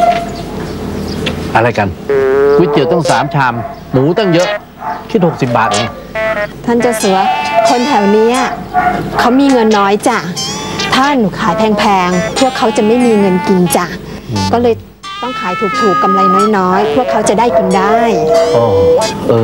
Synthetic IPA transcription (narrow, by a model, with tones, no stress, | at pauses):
ʔa˧ɾa˧jka˧nk̪̚ʰkːi˨˩w̚t̪ɔ˥˩ŋsaː˩˦mt͡ɕʰaː˧mː | uː˩˦t̪ɔ˥˩ŋjɤ˦˥ʔ | kʰi˦˥t̪̚ho˨˩k̚si˨˩p̚baː˨˩t̪̚na˧˥ | t̪ʰa˥˩nt͡ɕa˨˧˩sɯ˩˦kʰo˧nt̪ʰɛː˨˩wniː˦˥ʔa˧˩kʰa˦˥wmiː˧ŋɤ˧nːɔː˦˥jt͡ɕa˨˩t̪ʰaː˥˩nu˩˦kʰaː˩˦jpʰɛː˧ŋpʰɛː˧ŋpʰu˥˩əkʰːa˦˥wt͡ɕa˨˩ma˥˩jmiː˧ŋɤ˧nki˧nt͡ɕa˨˩ | kɔː˥˩lɤː˧j | t̪ɔ˥˩ŋkʰaː˩˦jt̪ʰuː˨˩k̚t̪ʰuː˨˩kːa˧mla˧jmaː˥˩jnɔː˦˥jpʰu˥˩kʰːa˦˥wt͡ɕa˨˩daː˥˩jki˧ndaː˥˩jʔoː˧˩ʔɤː˧